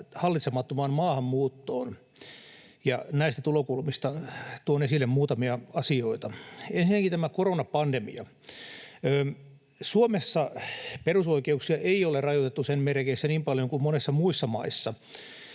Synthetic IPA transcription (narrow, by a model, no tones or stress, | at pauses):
hɑlːˑit̪semɑt̪ːomɑːnmɑːhɑmmuːt̪ːo̰ːn | jɑ̰næist̪æt̪ulokulmist̪ɑt̪uonesilːemmuːt̪ɑmiɑɑsioit̪ɑensinækit̪æmækoronɑpɑndemḭɑ̰ | øː | suomesːɑperusoikeuksiɑʔeiolerɑjot̪et̪ːusenmerkesːæniːmpɑljoŋkummonesːɑmuisːɑmɑ̰isːɑ